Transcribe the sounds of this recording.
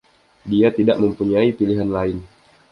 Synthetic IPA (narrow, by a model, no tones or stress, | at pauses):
diat̪idaʔməmpuɲaipiliɦanlaɪn